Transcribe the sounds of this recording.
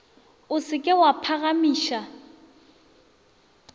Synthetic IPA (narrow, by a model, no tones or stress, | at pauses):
ʊsɪkʼɪwapʰaɣamiːʃa